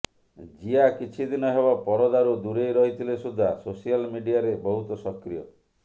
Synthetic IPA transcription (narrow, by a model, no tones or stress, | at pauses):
d͡ʒiakit͡ʃʰid̪inɔɦebapɔɾɔd̪aɾud̪uɾejɾɔɦit̪ʰilesud̪ʱːasosialmiɖiaɾebɔɦut̪ɔsɔkɾijɔ